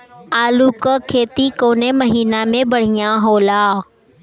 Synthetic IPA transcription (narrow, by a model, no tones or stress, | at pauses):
aːluːkəkʰeːt̪ikoːneməɦiːnamẽbɐɽ̤ijãɦoːlaː